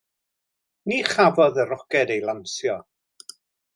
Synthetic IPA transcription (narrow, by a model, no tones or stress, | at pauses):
niːχavɔðəɾɔkɛdejlˠamsjɔ